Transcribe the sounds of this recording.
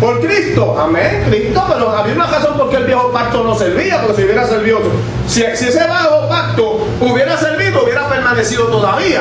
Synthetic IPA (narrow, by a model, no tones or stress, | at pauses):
poɾkɾist̪oʔamẽŋkɾist̪opeɾoaβiaunaraso̞mpoɾkeːlβjexopak̚t̪ono̞seɾβiapoɾkes̬iuβjeɾaseɾβiðot̪o | sisieseβahopak̚t̪o | uβje̞ɾaseɾβiðouβjeɾapeɾmanesiðot̪oðaβia